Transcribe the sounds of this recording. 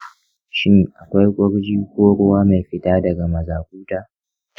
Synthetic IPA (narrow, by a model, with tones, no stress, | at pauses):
ʃɪ˦ŋ˨ʔa˨kʷa˦jkʷʼʊ˦ɽd͡ʒiː˦kʷoː˦ɾʊ˦waː˦ma˨jɸɪ˦tʼaː˦dɐ˨ɡa˨mɐ˨zaː˨kʷuː˦taː˦